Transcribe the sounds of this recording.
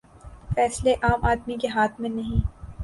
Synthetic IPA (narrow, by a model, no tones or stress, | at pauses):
fɛːsleʔaːmʔaːd̪mikeɦaːt̪ʰmẽnɐɦĩː